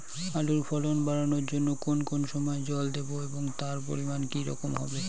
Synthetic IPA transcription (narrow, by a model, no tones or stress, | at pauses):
aluɾpʰɔlonbaɾonoɾd͡ʑonːokonkonʃɔmɔed͡ʑɔld̪eboeboŋt̪aɾpoɾimankiɾɔ̰komɦɔ̰be